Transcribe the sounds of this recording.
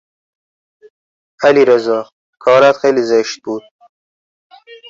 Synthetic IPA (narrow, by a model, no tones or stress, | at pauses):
aliɾəzɑ | kʰɑːɾat̪xelizeʃt̪̚buːd̪̥̚